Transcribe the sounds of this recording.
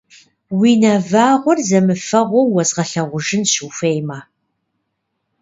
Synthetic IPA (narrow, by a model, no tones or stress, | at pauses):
wiːnɐvaːʁʷɔrzɐmɨfɐʁʷowwɐzʁɐɬɐʁʷʊʒɪnɕuːfejmaː